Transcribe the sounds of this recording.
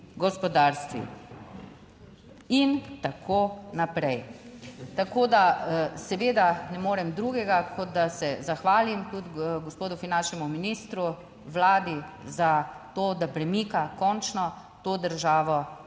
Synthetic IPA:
ɡɔspɔd̪aɾst̪ʋḭ | int̪akʰonapɾɛj | t̪akoːd̪asɛʋeːd̪anɛmoːɾɛmd̪ɾuɡɛɡakʰɔd̪̚d̪asɛzaxʋaːlimt̪ud̪ɡɔspoːd̪ufinanʃnɛmuminiːst̪ɾu | ʋlaːd̪izat̪oːd̪apɾɛmikakɔnt͡ʃnɔ | t̪oːd̪əɾʒaːʋɔ

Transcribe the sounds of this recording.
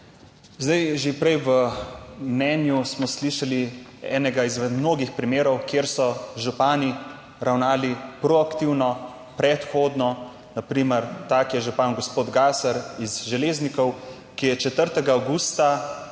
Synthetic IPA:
zd̪ajʒepɾɛjʋəmnɛnjusmɔsliʃaliɛ̰ːnɛɡaizʋɛmnoːɡixpɾimeːɾɔwkjeːɾsɔʒupaːni | ɾawnaːlipɾɔakt̪iwnɔ | pɾɛt̪xod̪nɔ | napɾiːməɾt̪akjɛʒupanɡɔspoːd̪ɡaːsaɾizʒɛleːznikɔw | kijɛt͡ʃɛt̪əɾt̪ɛɡaːwɡuːst̪a

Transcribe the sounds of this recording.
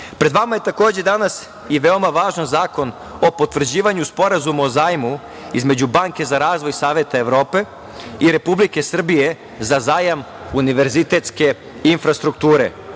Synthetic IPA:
pɾe̞d̪ʋamaje̞t̪ako̞ːd͡ʑe̞d̪anas | iʋeo̞maʋaːʒanzaːko̞n | o̞pot̪ʋr̩d͡ʑiːʋaɲuspo̞ɾazumaozaːjmu | ḭzme̞d͡ʑubaŋke̞zaɾaːzʋo̞jsaːʋjet̪aeʋɾo̞ːpe̞ | iɾe̞publike̞sr̩bije | zazaːjam | uniʋe̞ɾzit̪e̞t̪ske̞ | infɾast̪ɾukt̪uːɾe̞̰

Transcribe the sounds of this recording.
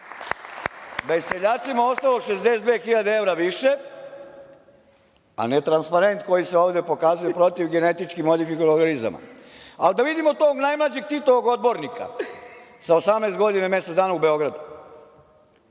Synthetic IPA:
d̪ajeseʎaːt̪simao̞st̪alo̞ɡʃeszd̪e̞sd̪vexiʎad̪eeʋɾaʋiʃe̞ | a̰net̪ɾanspaɾe̞nt̪ko̞jiseoːʋd̪e̞po̞kazujepɾo̞t̪iʋɡe̞ne̞t̪it͡ʃkimod̪ifikonoɾɡaniza̰ma̰ald̪aʋid̪imot̪oːɡnajmlˠad͡ʑeɡ̚t̪it̪oʋoɡo̞d̪̚bo̞ɾnikʰa̰ | saosamneːst̪ɡo̞d̪iname̞set̪d̪aːnaube̞o̞ɡɾad̪u

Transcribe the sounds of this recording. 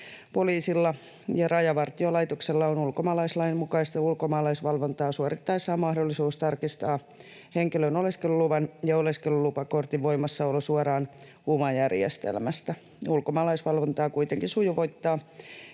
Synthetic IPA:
poliːsilːɑ | jɑrɑjɑʋɑrt̪iolɑit̪okselːɑonulkomɑːlɑislɑimmukɑist̪ɑjɑulkomɑːlɑisʋɑlʋont̪ɑːsuɑrit̪ːɑisːɑːmɑhdolːisuːst̪ɑrkist̪ɑː | heŋkilønoleskeluluʋɑnjɑoleskelulupɑkort̪iʋo̞imɑsːɑolːosuɑɾɑːn | umɑjærjḛst̪ḛlmæst̪æ | ulkomɑːlɑisʋɑlʋont̪ɑːkuit̪eŋkisujuʋo̞it̪ːɑː

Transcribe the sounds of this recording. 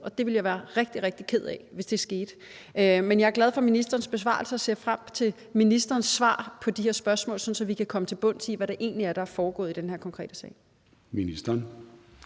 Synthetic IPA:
ɒ̽d̥e̝ʋe̝ljaʋæːɐʁeɡ̥̚d̥iʁeɡ̥̚d̥ikʰe̝ð̞̰ˠɛʋe̝sd̥e̝sɡ̥e̝ːd̥ | menjɑ̈æɐɡ̥lɛð̞ˠfɒ̽minisd̥ɐːn̩sb̥e̝s̬ʋɑ̰̈ːlsəɒ̽se̝ɐfʁam̰t͡sʰe̝l | minisd̥ɐːnsʋɑ̰̈ːpʰɒ̽d̥ihe̝ɐsb̥ɶɐsmɔ̰̽ːlsɒ̽n̩sɒ̽ʋikʰækʰɒ̽mət͡sʰe̝lb̥ɔ̽n̰sʰiʋæɾ̥eʔe̝̰ːnliæɐɾ̥ɑæɐfɒːɡ̥ɔ̰̽ːðˠid̥enheɐkʰɒ̽ŋkʰʁɛ̰ːdəsɛ̰ɪ | minisd̥ɐn

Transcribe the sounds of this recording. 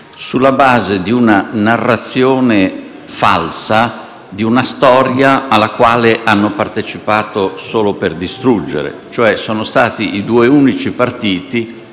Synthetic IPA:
sulːabaːzed̪iunanarːat̪sːjoːne | fa̰lsa | d̪iunast̪ɔɾjaalːakwaːleʔanːopart̪et͡ʃipaːt̪osoːloperd̪ist̪ɾud͡ʒːḛɾḛt͡ʃoɛsoːnost̪aːt̪iʔid̪uːeuːnit͡ʃipart̪iːt̪i

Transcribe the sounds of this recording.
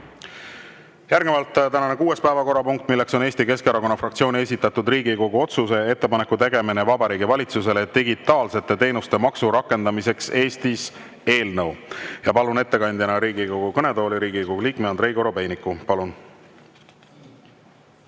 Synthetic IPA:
jærɡ̥nevɑlt̪ːˑt̪ænɑnekuːe̞spæːvɑko̞ɾɑpuŋk̚t̪ːˑmilːe̞kso̞neːsʲt̪ike̞skɑɾɑko̞nːɑfrɑkt̪sio̞ːnie̞s̬ʲit̪ːˑɑt̪ud̪riːɡiko̞ɡ̥uo̞t̪suse̞e̞t̪ːe̞pɑne̞kːut̪e̞ɡ̥e̞minevɑbɑɾiːɡivɑlʲit̪suse̞le̞t̪iɡit̪ːˑɑːlse̞t̪ːˑe̞t̪e̞ːnust̪e̞mɑksuɾɑkːˑe̞nd̪ɑmise̞kse̞ːst̪is | e̞ːlnɤwjɑpɑlune̞t̪ːe̞kɑnʲd̪jɑnɑɾiːɡiko̞ɡ̥ukɤne̞t̪o̞ːliɾiːɡiko̞ɡuliːkmeɑnd̪ɾe̞jɡo̞ɾo̞be̞jnikːupɑlun

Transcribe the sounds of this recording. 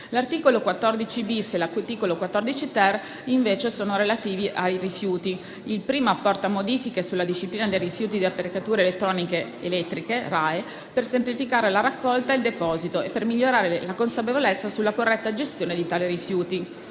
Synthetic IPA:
lart̪iːkolokwat̪ːɔrd̪it͡ʃibiselat̪iːkolokwat̪ːɔrd̪it͡ʃit̪ɛr | iɱveːt͡ʃesoːnoɾelat̪iːviʔajrifjuːt̪i | ilpɾiːmoapːɔrt̪amod̪iːfikesulːad̪iʃːipliːnad̪ejrifjuːt̪̬id̪iapːeɾekat̪uːɾeːlet̪ːɾɔːnikeḛlɛt̪ːɾikerae | persemplifikaːɾelaɾakːɔlt̪aild̪epɔːzit̪oepːermiʎːoɾaːɾelakonsap̬evolet̪sːasulːakorːɛt̪ːad͡ʒest̪joːned̪it̪aːliɾifjuːt̪i

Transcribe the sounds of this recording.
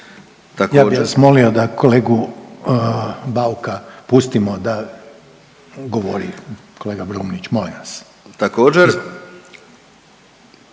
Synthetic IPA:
t̪ajaːiʋasmo̞lio̞d̪akʰo̞leːɡu | baukapust̪imod̪a | ɡoʋoɾi | ko̞leːɡabɾumnit͡ɕmoliʋas | t̪akoːd͡ʒeɾ

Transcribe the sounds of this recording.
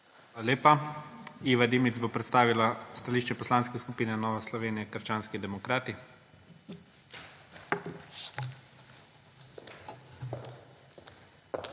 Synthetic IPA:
aaleːpa | iːʋad̪imit̪zbopɾɛt̪st̪aːʋilast̪aliːʃt͡ʃɛpɔslaːnskɛskupiːnɛnɔːʋɛslɔʋeːnijɛkəɾt͡ʃaːnskid̪ɛmɔkɾaːt̪i

